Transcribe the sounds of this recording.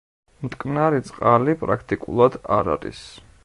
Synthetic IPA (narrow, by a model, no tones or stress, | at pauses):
mt̪ʼkʼnaɾit̪sʼqʼalipʼɾakʰt̪ʼikʼṵlˠad̪aɾa̰ɾḭs